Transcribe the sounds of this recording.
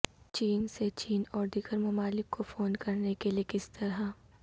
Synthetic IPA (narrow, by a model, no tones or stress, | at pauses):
t͡ʃiːnset͡ʃiːnɔːɾd̪iːɡəɾmɐmaːlɪkːofoːnkɐɾnekeliekɪst̪ɐɾɦa